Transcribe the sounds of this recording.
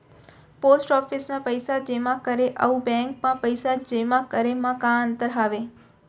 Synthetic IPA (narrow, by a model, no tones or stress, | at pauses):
posʈɔfisnapəjsad͡ʒemãkəɾeʔə̰ũbɛ̃ŋk̚mãpəjsad͡ʒemãkəɾemãkãənt̪əɾɦaʋe